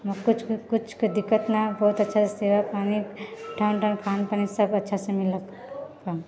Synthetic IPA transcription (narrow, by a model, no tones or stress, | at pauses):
mkʊt͡ʃʰkʊt͡ʃʰkd̪ɪkːət̪nabɔːut̪ɐtːʃʰaseseːʋapaːniʈʰawnʈankʰaːnpaːnisɐbɐtːʃʰasemɪl | ka